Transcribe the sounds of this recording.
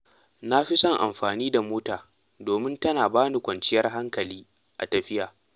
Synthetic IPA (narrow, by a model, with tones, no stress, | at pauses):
na˦ɸi˦sɐ˦˨ŋʔa̰˨mɸaː˨niː˦da˨moː˦taː˨ | doː˨mɪ˦ntɐ˦naː˨baː˦ni˨kʷɐ˨nt͡ʃɪ˦jɐ˦rɦa˦ŋkɐ˨liː˦ | ʔa̰˨tɐ˨ɸɪ˦jaː˨